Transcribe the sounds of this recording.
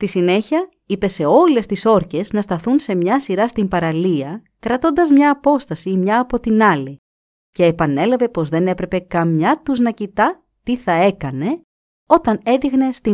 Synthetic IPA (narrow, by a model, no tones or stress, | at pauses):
st̪isine̞çiɐ | ipe̞se̞o̞le̞st̪iso̞ɾce̞znɐst̪ɐθunse̞mɲɐsiɾɐst̪impɐɾɐliɐ | kɾɐt̪o̞nd̪ɐzmɲɐːpo̞st̪ɐsimɲɐːpo̞t̪inɐli | ce̞ːpɐne̞lɐve̞po̞zðe̞ne̞pɾe̞pe̞kɐmɲɐt̪uznɐcit̪ɐ | t̪iθɐe̞kɐne̞ | o̞t̪ɐne̞ðiɣne̞st̪i